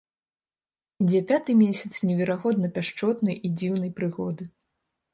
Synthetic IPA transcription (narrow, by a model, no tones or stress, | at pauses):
id͡zʲɛpʲat̪ɨmʲesʲɐ̥t̪snʲɛvʲɛɾaɣɔd̪nɐpʲaʂt͡ʂɔt̪nɐjʔid͡zʲiwnɐjpɾɨɣɔd̪ɨ